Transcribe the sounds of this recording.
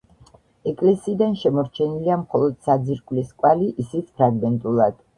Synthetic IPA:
ɛkʼlɛsiːd̪anʃɛmɔɾt͡ʃʰɛniliamχɔlˠɔd̪sad̪ziɾkʼliskʼwaliʔisit̪sʰpʰɾaɡmɛnt̪ʼulˠad̪̥

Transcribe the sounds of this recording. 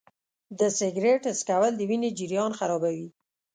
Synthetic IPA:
d̪əsɪɡɾeʈəskawald̪əwined͡ʒɪɾjɑnxaɾɑbawi

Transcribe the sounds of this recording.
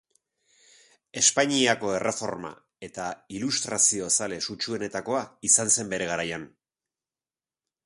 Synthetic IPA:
e̞spaɲiako̞e̞rʔe̞fo̞̰ɾma̰ | e̞t̪ailust̪ɾasio̞sale̞sut͡ʃue̞ne̞t̪ako̞aisanse̞mbe̞ɾe̞ɣaɾajan

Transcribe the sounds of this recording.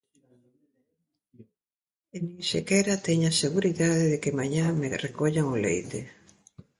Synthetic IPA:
ɪnĩŋsḛkɛɾat̪ɛɲaseɣuɾiðaðeðekemaɲamerekoʎaŋolḛjt̪e

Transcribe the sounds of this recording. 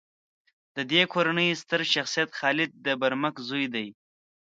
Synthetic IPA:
d̪̥əd̪ekʰoɾanəjst̪əɾʃaxsijat̪xɑlɪd̪̚d̪əbaɾməkzujd̪aj

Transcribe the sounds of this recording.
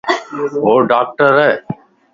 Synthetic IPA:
ɦoːɖaːk̚ʈəɾɛː

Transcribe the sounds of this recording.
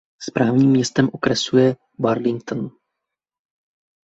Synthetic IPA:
spɾaːvɲiːmːɲɛst̪ɛmʔokɾɛsujɛ | baɾlɪŋkt̪n

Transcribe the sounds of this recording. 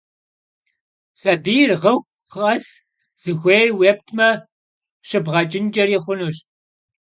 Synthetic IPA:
sʼɐbiːrʁɐxʷ | χɐs | z̥ɨxʷeːrweːp̚tʰmɐ | ɕɨbʁɐt͡ʃʼɪnd͡ʒʼɐriːχʷʊnuːɕ

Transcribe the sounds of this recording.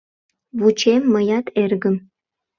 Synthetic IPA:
βut͡ɕemːəjɑt̪ʰerɣəm

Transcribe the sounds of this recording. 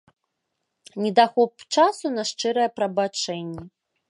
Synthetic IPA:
nʲɛd̪axɔp̚t͡ʂasunɐʂt͡ʂɛɾɐjɛpɾɐbat͡ʂɛnʲːɛ

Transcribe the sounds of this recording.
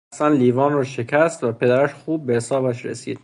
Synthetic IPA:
sænliːvɒːnrɒːʃe̞cʰæst̪væpʰe̞d̪æɾæʃxuːb̚ːehesɒːbæʃɾḛsḭːd̪

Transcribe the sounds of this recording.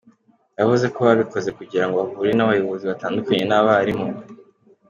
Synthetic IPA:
javuze̞ko̞βaβiko̞ze̞kuɟiɾaŋɡo̞βavuɾinaβajo̞βo̞ziβataːndukaɲe̞naβaɾimo

